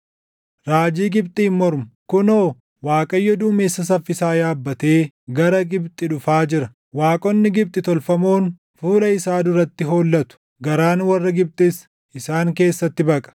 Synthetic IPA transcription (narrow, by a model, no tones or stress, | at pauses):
ɾaːd͡ʒiːɡɪbt̪ʼɪːmːɔɾmʊ̥kʊnoː | waːkʼɐjːɔd̪ʊːmeːsːɐs̬ɐfːɪsaːjaːbːɐt̪e̞ː | ɡɐɾɐɡɪbt̪ʼɪᶑʊfaːd͡ʒɪɾɐ | waːkʼɔnːɪɡɪb̚t̪ʼɪt̪ɔlfɐmoːn | fuːlɐɪsaːd̪ʊɾɐt̪ːɪɦo̞ːlːɐt̪ʊ̥ | ɡɐɾaːnwɐrːɐɡɪb̚t̪ʼɪs | ʔɪsaːŋke̞ːsːɐt̪ːɪbɐkʼɐ̥